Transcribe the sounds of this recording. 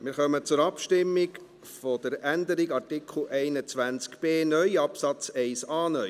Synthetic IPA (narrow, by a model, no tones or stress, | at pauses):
mɪɾχœmət͡sʊɾɑpʃtɪmːɪk | fod̥əɾændəɾiɡɑrtɪkʰl̩ʔɛɪnət͡svænt͡skb̥eːnœʏɑpsɑt͡sɛɪsɑːnœʏ